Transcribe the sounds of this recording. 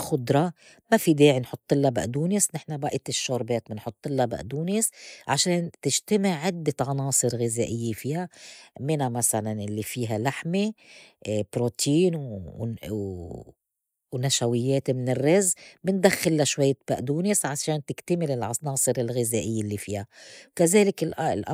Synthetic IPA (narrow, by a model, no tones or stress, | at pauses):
xʊd̪ɾˤɑ | mafid̪eːʕinħʊt̪ˤːɪlːɑbɪ̰ʔd̪uːnisnɪħnabaʔɪt̪ɪʃːoːɾˤbeːt̪mɪnħʊt̪ˤːɪlːɑba̰ʔd̪uːnisʕaʃeːnt̪ɪʒt̪amɪʕːɪd̪ːɪʕɑnɑːsˤɨɾɣɪzæːʔɪjːefiːhamɪnamasalanɪlːifiːɦalaħme | bɾot̪ʰiːn | wnaʃawɪjːeːt̪mɪnɪrːɪzbɪnd̪axːɪlːaʃwajːab̥aʔd̪uːnisʕaʃeːnt̪ɪkt̪amɪlɪlʕɑnɑːsˤɨɾɪlɣɪzaːʔɪjːelːifiːhakazeːlɪkɪllʔ